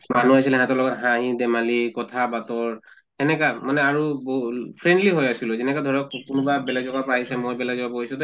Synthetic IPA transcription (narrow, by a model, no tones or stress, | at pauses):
manuajsilɛɦãtɔlɔɡɔtɦãɦĩdɛmalikɔtʰabatɔɹ | tɛnɛkamanɛaɹubpʰɹɛndliɦojasilʊzɛnɛkadʱɔɹɔkkʊnʊbabɛlazɔbapaisɛmojbɛlajzɔbabɔisũdɔ